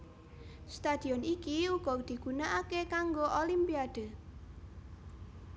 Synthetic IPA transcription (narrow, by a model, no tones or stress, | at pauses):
st̪ad̪̥i̤ɔnikiuɡ̥ɔd̪̥i̤ɡ̥unaʔakekaŋɡoʔolimpiad̪̥ə̤